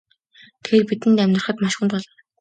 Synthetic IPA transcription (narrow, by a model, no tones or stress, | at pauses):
t̪ʰɡeːrpit̪ɘ̆nt̪æmʲt̪r̆χə̆t̪maʃχʊ̆nt̪pɔɮɞ̆n